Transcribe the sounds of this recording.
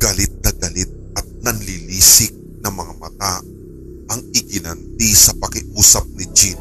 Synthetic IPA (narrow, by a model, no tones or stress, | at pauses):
ɡ̥ɐlɪt̪̚nɐɡɐlɪt̪̚ʔɐt̪̚nɐnliliːsɪk̚nɐŋmɐŋamɐt̪a | ʔɐŋɪɡɪnɐnt̪̚isɐpɐkɪʔuːsɐp̚nɪd͡ʒin